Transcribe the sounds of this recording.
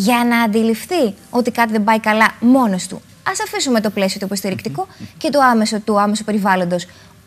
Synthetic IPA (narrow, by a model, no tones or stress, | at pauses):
ʝɐnɐːnd̪ilifθio̞t̪ikɐt̪iðembɐikɐlɐmo̞no̞st̪ṵ | ɐsɐfisume̞t̪o̞ple̞siot̪oipo̞st̪iɾikt̪iko̞ce̞t̪oɐme̞sot̪uɐme̞sope̞ɾivɐlo̞nd̪o̞s